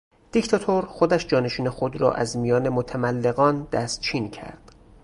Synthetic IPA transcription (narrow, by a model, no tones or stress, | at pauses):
d̪̥ikt̪ʰɒt̪ʰoɾxod̪æʃd͡ʒɒːne̞ʃiːnexod̪ɾɒ̰ːʔæzmijɒːnemot̪ʰæmælːeɣɒːnd̪æst̪̚t͡ʃʰiːncʰæ̰ɾd̪̥